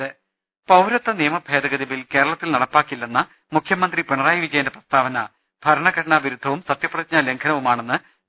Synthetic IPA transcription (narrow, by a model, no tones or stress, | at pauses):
ɨ | pɐwɾɐt̪ːɐnijɐmɐbʱe̞ːd̪ɐɣɐðiʋilke̞ːɾɐɭɐt̪ːilnɐɽɐpːaːkːilːenːɐ | mukʰjɐmɐnd̪ripeɳɐraːjɐʋid͡ʑɐjɐndeprɐst̪ʰaːʋɐnɐ | b̥ʱɐɾɐɳɐɡɐʈɐɳaʋiɾud̪ʱːɐʋumsɐt̪jɐprɐðit͡ɕ̚ɲɐleŋkʰɐnɐʋumaːɳe̞nːɨ